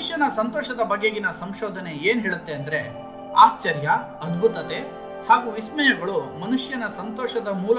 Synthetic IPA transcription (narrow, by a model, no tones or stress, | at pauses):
ʂjɐnɐsɐnt̪ɔːʃɐd̪ɐbɐɡeɡinɐsɐmʃɔːd̪ʱɐne̞eːnɦɛːɭut̪ːeɐnd̪ɐɾe̞ | aːst͡ʃɐɾjɐ | ɐd̪bʱut̪ɐt̪eː | haːɡuːʋismɛjɐɡɐɭumɐnuʂjɐnɐsɐnt̪ɔːʃɐd̪ɐmuːlɐ